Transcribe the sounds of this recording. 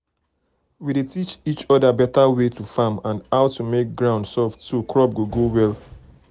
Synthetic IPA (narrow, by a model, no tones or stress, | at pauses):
widetit͡ʃit͡ʃɔdabɛtawetufamãndaʊtumek̚ɡɹãʊ̃ndsɔftːokɹɔp̚ɡoɡowɛl